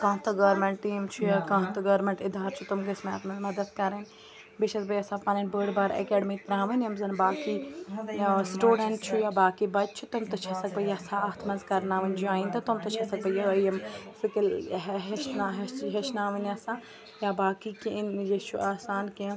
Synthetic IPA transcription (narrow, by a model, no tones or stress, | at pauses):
kãːt̪ɐɡɐɾmeɳʈːiːmt͡ʃʰujakãːt̪ɐɡɐɾmẽɳʈid̪ʱaːɾt͡ʃʰut̪umɡɐsma̰ːt̪mɐzmɐd̪ɐd̪kɐɾɐnʲ | biʃʰɐt̪bɐjasãpɐnɐnbəːɽbaːɾḛkɛːɖmiːt̪ɾãːʋɐnɐmzɐnbaːki | sʈuːɖɐɳʈt͡ʃʰujaːbaːkibɐd͡ʒt͡ʃʰut̪umt̪ɐt͡ʃʰɐsɐk̚bɐjasaːt̪ʰmɐnzkɐɾnaːʋɐnʲd͡ʒaːĩnt̪ɐt̪umt̪ɐt͡ʃʰɐsɐk̚bɐjɐjɐmsɨkilɦɦeʃnaɦɦeʃnaːʋɐnɐsã | jabaːkikeinjet͡ʃʰuʔaːsaːnkĩ